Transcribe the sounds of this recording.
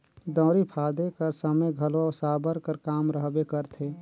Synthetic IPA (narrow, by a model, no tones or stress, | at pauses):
d̪ɔ̃ːɾipʰad̪ekəɾsəməjɡʱəlosabəɾkəɾkamɾəɦbekəɾt̪ʰe